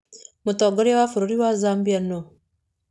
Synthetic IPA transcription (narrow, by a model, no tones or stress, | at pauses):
mutoɡoɾijawafuɾuɾiwazaːmbiano